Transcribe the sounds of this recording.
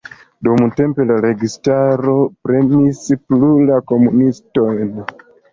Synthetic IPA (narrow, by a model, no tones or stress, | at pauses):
dumte̞mpe̞laɾe̞ɡistaɾo̞pɾe̞misplulako̞munisto̞jn